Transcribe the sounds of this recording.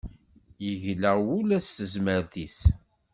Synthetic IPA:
jəʝləʁwʊlæsːəzməɾθis

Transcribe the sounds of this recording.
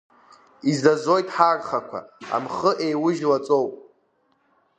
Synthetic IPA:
izazo̞jtʼħarχakʷʰa̰a̰mχəʔejwʊʒlat͡sʼowpʼ

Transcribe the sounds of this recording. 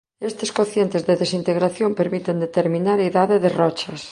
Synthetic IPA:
est̪eskoθjent̪ezðeðesint̪eɣɾaθjompeɾmit̪end̪et̪eɾmĩnaɾaiðaðeðerɔt͡ʃɐs

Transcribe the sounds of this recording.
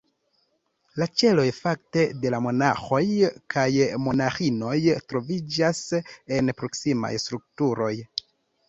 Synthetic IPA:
lat͡ʃe̞lo̞jfak̚te̞de̞lamo̞naxo̞jkʰajmo̞naxino̞jtɾo̞vid͡ʒase̞npɾo̞ksima̰jstɾuk̚tuɾo̞j

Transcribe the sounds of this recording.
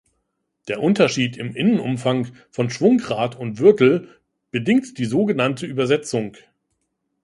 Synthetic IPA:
d̥eːɐʔʊntɐʃiːtʰɪmʔɪnənʊ̰mfaŋ | fɔnʃv̥ʊŋkʁaːtʊntv̥ʏɐtl̩ | b̥ədɪŋtd̥iːzoːɡənantʰəʔyːbɐzɛt͡sʊŋ

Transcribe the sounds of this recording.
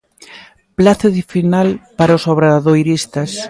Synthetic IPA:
plaθaðifinalpaɾaosoβɾaðojɾist̪as

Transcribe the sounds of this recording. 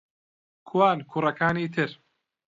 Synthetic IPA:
kʰuwaːnkʰuːrɐkaːniːt̪ʰɨɾ

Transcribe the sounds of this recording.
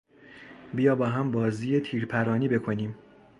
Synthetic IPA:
bijɒːbɒːɦæmbɒːziːjet̪ʰiːɾpʰæɾɒːniːbe̞kʰo̞niːm

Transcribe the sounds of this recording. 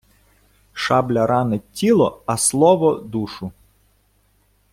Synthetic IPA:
ʃɑblʲɐɾɑnetʲːilˠɔɐslˠɔʋɔd̪uʃʊ

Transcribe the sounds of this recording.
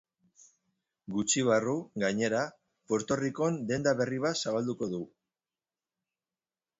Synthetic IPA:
ɡut͡ʃiβ̞aruɣaɲe̞ɾa | po̞ɾt̪o̞riko̞nd̪e̞nd̪aβe̞riβ̞asaβald̪uko̞ðu

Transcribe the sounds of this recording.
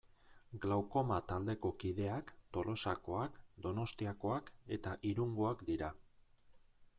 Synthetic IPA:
ɡlawko̞mat̪ald̪e̞ko̞kiðe̞akt̪o̞lʔo̞sako̞akd̪o̞no̞st̪iako̞ake̞t̪aʔiɾuŋɡoakd̪iɾa

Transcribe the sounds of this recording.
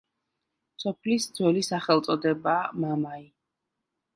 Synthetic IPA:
sɔpʰlisd̪zwɛlisaχɛlˠt̪sʼɔd̪ɛbaːmamai

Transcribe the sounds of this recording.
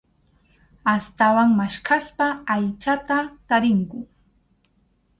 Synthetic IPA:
ast̪awaŋmaʃkaspaːjt͡ʃat̪at̪aɾɪŋkʊ

